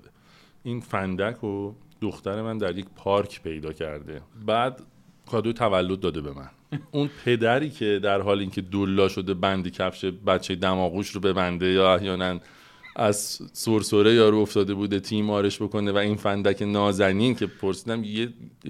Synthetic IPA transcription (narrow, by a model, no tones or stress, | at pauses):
iːnfænd̪ækʰod̪̥oxt̪æɾe̞mænd̪æɾje̞cpʰɒːɾcʰpʰe̞jd̪ɒːcʰæ̰ɾd̪e̞bæːd̪ | kʰɒːd̪ojt̪ʰævælːod̪̚ːɒːd̪e̞be̞mæ̰n | unpʰe̞d̪æɾiːcʰe̞d̪æɾɦɒːliːŋcʰe̞d̪olːɒːʃo̞d̪e̞bænd̪ecʰæfʃebæt̪t͡ʃʰːejed̪æmɒːɣuːʃɾobe̞bænd̪e̞jɒːæhjɒːnæn | ʔæzsoɾsoɾejɒːɾuoft̪ɒːd̪e̞buːd̪e̞t̪ʰiːmɒːɾe̞ʃbo̞kʰo̞nevæinfænd̪æcʰenɒːzæniːncʰe̞pʰoɾsiːd̪æmje